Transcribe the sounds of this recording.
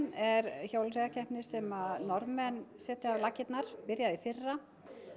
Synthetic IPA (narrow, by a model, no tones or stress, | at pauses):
nɛɾçowlrɛðacʰɛhpnɪsɛmaðnɔɾmɛnsɛːt̪ɪavlaːcɪt̪naɾ̥pɪɾjaðifɪrːa